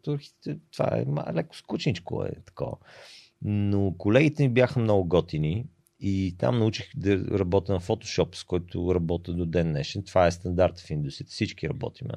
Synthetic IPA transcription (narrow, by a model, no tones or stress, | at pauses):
t̪oɾxi̥t̪t̪ɛt̪v̥a̰ɛ̰malɛkʊ̥skut͡ʃnit͡ʃko̰ɛ̰t̪ɐ̥kɔ̰ə̰ | nokolɛɡit̪ɛnibjaxəmnɔɡʊɡɔt̪ini | it̪a̰mnɐut͡ʃixd̪ɐɾɐbɔt̪ənɐfot̪o̥ʃɔpskɔjt̪ʊ̰ɾɐbɔt̪əd̪od̪ɛnːɛʃɛnt̪vaɛst̪ɐnd̪aɾt̪find̪usit̪ə̥sit͡ʃkiɾɐbɔ̰t̪imɛ̰